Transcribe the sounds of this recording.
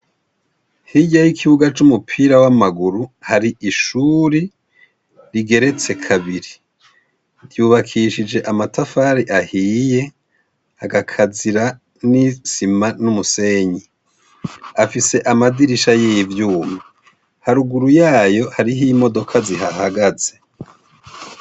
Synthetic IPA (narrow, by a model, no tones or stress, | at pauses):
hiɟajikʰiβuɡat͡ʃumupʰiːɾawamaɡuɾuhaɾiʔiʃuɾi | ɾiɡe̞ɾe̞t͡se̞kʰaβiɾi | ɾjuːβakʰiʃid͡ʒe̞ʔamatafaːɾiʔahiːje̞ | haɡakʰaziɾa | nisimanumuseːɲi | afise̞ʔamadiɾiʃajivjuːmi | haɾuɡuɾujaːjo̞haɾiɦimo̞do̞kʰaziɦahaɡaze̞